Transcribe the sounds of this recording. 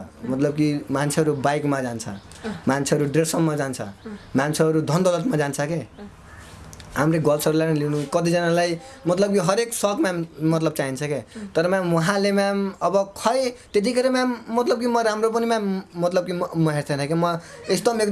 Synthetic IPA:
mʌt̪lʌb̚kimant͡sʰeɦʌɾubajkmad͡zant͡sʰʌ̰ | mant͡sʰeɦʌɾuɖresʌnmad͡zant͡sʰʌ̰mant͡sʰeʌɾud̪ʱʌnd̪ʌlʌt̪mad͡zant͡sʰʌke | ɦamreɡʌlt͡sʰʌɾulajnʌlinukʌt̪id͡zʌnalaj | mʌt̪lʌb̚kiɦʌɾeksʌɡmamʌt̪lʌb̚t͡saint͡sʰʌket̪ʌɾʌmãwʌɦãlemamʌbʌkʰʌjt̪et̪̬ikʰeɾemamʌt̪lʌb̚kimʌɾamɾop̬ʌnimamʌt̪lʌb̚kimmʌɦeɾt͡sʰanʌkemʌesd̪ʌmek

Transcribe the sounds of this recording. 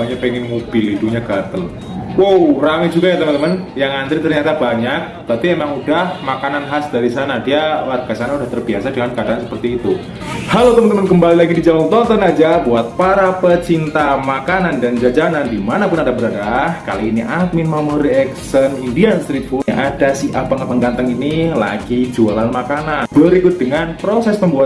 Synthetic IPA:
aɲapɛŋɪnmob̥ɪliduɲaɡat̪əl | wowramid͡ʒuɡajat̪əmənt̪əmənjaŋant̪ɾit̪ərɲat̪abaɲak̚t̪apiemaŋudahmakananɦasd̥aɾisanadialat̪̚ɡasanaudaht̪ərbiasadəŋankadaansə̥pərt̪iːt̪u | halowt̪əmənt̪əmənkəmbalilaɡidid͡ʒamɔŋt̪ɔt̪ɔnad͡ʒabuat̪̚paɾapət͡ʃint̪amakanandand͡ʒad͡ʒanandimanapʊnadabəɾadahka̰loiniʔak̪̚minmamɔɾiɛksənindianst̪ɾipʊʔadasiapəŋapəŋɡant̪əŋinila̰ɡ̥id͡ʒualanmakananbəɾikʊt̪̚d̥əŋanpɾosɛsməmbuat̪

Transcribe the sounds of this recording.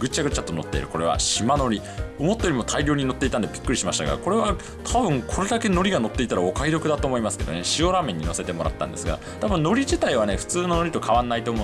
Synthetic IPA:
ɡɯ̟t͡ɕaɡɯ̟t͡ɕat̪ːo̞no̞̰t̪ːe̞ḭɾɯ̟ko̞ɾe̞βa̰ɕimano̞ɾʲi | o̞mo̞t̪ːeoɾimo̞t̪ʰaiɾʲo̞ːɲ̟ino̞t̪ːeit̪and̪e̞bʲi̥kːɯɾʲiɕimaɕit̪aɡa̰ko̞ɾe̞βa | t̪ʰabɯ̟̃ŋkʰo̞ɾe̞d̪ake̞no̞ɾʲiɡano̞t̪ːe̞it̪aɾaokaiɾo̞kɯ̟d̪at̪oːmo̞imasɨ̥ke̞d̪o̞ne̞ɕio̞ɾamẽ̞ɲ̟ːino̞se̞t̪e̞mo̞ɾa̰t̪ːã̰nd̪e̞sɨɡa̰ | t̪abɯ̃no̞ɾʲiʑit̪aiβane̞ɸɯ̟̥t͡sɨːno̞no̞ɾʲit̪okʰaβãnːait̪oːmo

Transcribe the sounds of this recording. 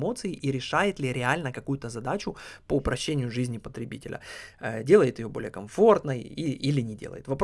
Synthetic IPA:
mo̞t̪sɨɪʔiɾʲɪʂajɪt̪lʲɪɾʲɪalʲnəkɐkujʊt̪əzɐd̪at͡ɕʊpəʊpɾɐɕːenʲɪjʊʐɨzʲnʲɪpət̪ɾʲɪbʲitʲɪ̰lʲə̰ədʲe̞lˠəjɪt̪jɪjo̞bo̞lʲɪjəkɐɱfo̞rt̪nəiʔilʲɪnʲɪdʲelˠə̰jɪt̪vɐp

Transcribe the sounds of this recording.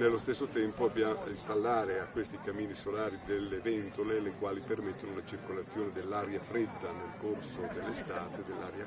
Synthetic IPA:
nelːost̪esːot̪ɛmpoabjainst̪alːaːɾeakːwest̪ikamːiːnisolaːɾid̪elːevɛnt̪olelekwaːlipermet̪ːonounat͡ʃirkolat̪sːjoːned̪elːaɾjafɾed̪ːanelkorsod̪elːest̪aːt̪ed̪elːaɾja

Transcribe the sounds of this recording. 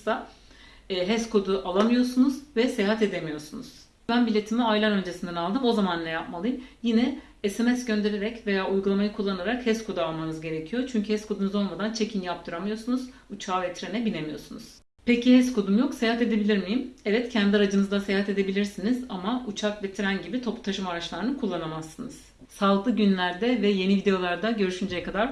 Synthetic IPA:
a | ɦɛskʰo̞d̪uʔalˠamɯjo̞sunuzvɛsejaɦat̪e̞d̪emijo̞ɾsunuz̥ | bænbilʲe̞t̪ʰimiajlʲˠaɾø̞nd͡ʒe̞sind̪ɛnalˠd̪ɯmo̞zamanːɛjap̚malˠɯjmjinɛ | ɛsemɛsɟø̞nd̪e̞ɾe̞ɾɛcve̞jaːʔujɡulˠamajakʰulˠːanaɾakhɛskʰo̞d̪ualˠmanɯzɟe̞ɾe̞cʰijo̞t͡ʃʰyɲcʰyhɛskʰo̞d̪unɯzo̞lˠmad̪ant͡ʃʰe̞cʰinjap̚t̪ʰɯɾamɯjo̞sunuz̥ | ut͡ʃʰaːvɛt̪ʰɾenɛbine̞mijo̞sunuz̥ | pʰecihɛskud̪umjoksejaɦat̪ed̪e̞bilʲiɾmijimɛvɛt̪cʰænd̪iaɾad͡ʒɯnɯzd̪asejaɦat̪e̞d̪e̞bilʲiɾsinizamaut͡ʃʰakvet̪ʰiɾænɟibit̪ʰo̞put̪ʰaʃɯmaɾat͡ʃlˠaɾɯnɯkʰulˠːanamasːɯnɯz̥ | salˠɡ̪ɯɟynlʲæɾd̪ɛvɛje̞nivid̪e̞jo̞lˠaɾd̪aɟø̞ɾyʃynd͡ʒejɛkʰad̪aɾ

